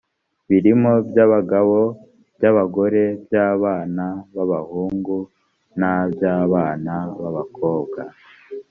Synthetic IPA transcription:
βiɾimo̞bjaβaɡaβo̞ | b̥jaβaɡo̞ɾe̞bjaːβaːnaβaβahuːŋɡu | nabjaːβaːnaβaβakʰo̞ːbɡa

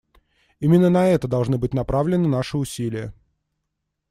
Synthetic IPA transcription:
imʲɪnːənɐɛt̪əd̪ɐlˠʐnɨbɨtʲnɐpɾavlʲɪnɨnaʂɨʊsʲilʲɪjə

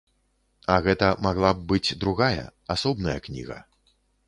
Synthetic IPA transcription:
ɐɣɛt̪ɐmaɣlˠab̚ːɨt͡sʲd̪ɾuɣajɐ̰asɔbnɐjɐknʲḭɣɐ̰

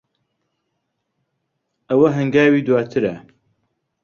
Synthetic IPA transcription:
ʔɐwɐɦɐŋɡaːwiːd̪waːt̪ʰɨɾɐ

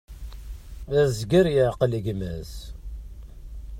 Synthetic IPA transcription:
æzɡəɾjəʕqələɡmæz

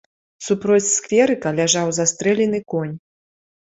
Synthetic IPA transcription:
supɾɔt͡sʲskfʲɛɾɨkɐlʲaʐawzast̪ɾɛlʲɛnɨkɔnʲ

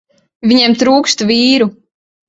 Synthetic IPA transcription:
viɲemt̪ɾuːkst̪vʲiːɾu

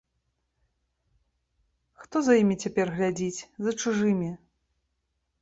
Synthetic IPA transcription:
xt̪ɔzɐjimʲit͡sʲapʲɛrɣlʲad͡zʲit͡sʲzɐt͡ʂuʐɨmʲi

